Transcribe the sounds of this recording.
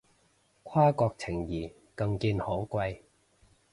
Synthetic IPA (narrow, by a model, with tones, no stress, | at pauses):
kʰaː˥kɔː˧k̚t͡sʰɪ˨˩ŋjiː˨˩ | kɐ˧ŋkiː˧nhoː˨˥wkʷɐ˧j